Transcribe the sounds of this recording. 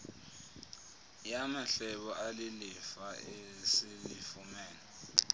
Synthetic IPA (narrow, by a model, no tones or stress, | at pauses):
jamaɬɛɓɔʔalilifaesilifumɛːnɛ